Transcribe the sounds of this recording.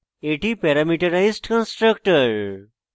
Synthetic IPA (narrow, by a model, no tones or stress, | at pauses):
eʈipɛɾamiʈɐɾajsʈkə̃nsʈɾək̚ʈəɾ